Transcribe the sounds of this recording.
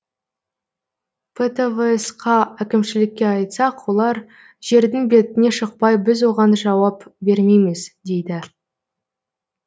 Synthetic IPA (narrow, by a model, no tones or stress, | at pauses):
pʰet̪eveesqʰɑækʲɪmʃɪlɪkʲːe̞ɑjt̪sɑqwo̞lˠɑɾ | ʒ̥e̞ɾd̪ɪŋbe̞t̪ɪne̞ʃəq̚pɑjbɪzwo̞ʁɑnʒɑwɑpbe̞ɾmejmesd̪e̞jd̪ɪ